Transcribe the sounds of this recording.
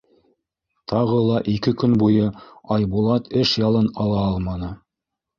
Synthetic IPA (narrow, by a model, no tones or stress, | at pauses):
t̪ʰɑʁɤlˠɑʔikɘkɵnbujɤɑjbulˠɑt̪ɘʃjɑlˠɤnɑlˠɑɑlˠmɑnɤ